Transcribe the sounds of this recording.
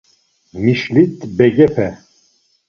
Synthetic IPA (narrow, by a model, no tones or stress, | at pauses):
miʃlit̪bɛɡɛpʰɛ